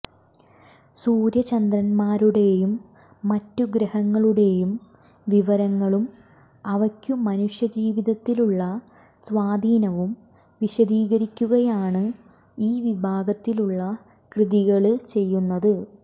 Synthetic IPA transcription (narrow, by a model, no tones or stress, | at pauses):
suːɾjɐt͡ɕɐnd̪ɾɐnmaːɾuɽe̞jumː | ɐtːuɡɾɐhɐŋːɐɭuɽe̞jum | ʋiʋɐɾɐŋːɐɭum | ɐʋɐkʲːuːɐnuʂjɐd͡ʑiːʋiðɐt̪ːiluɭːɐ | sʋaːd̪ʱiːnɐʋum | ʋiɕɐd̪iːɣɐɾikʲːuɣɐjaːɳɨ | iːʋibʱaːɡɐt̪ːiluɭːɐ | krɨðiɣɐɭɨt͡ɕe̞jːunːɐðɨ